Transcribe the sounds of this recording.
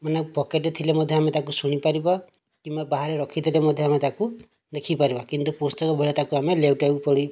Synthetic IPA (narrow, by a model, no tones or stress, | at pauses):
manebɔkeʈet̪ʰilemɔd̪ʱjɔamet̪akusuɽ̃ipaɾibɔ | kimbabaɦaɾeɾɔkʰit̪ʰilemɔd̪ʱjɔamet̪aku | d̪ekʰipaɾibakint̪upostɔkɔbʱeɭɔt̪akuamelewʈaupɔɽi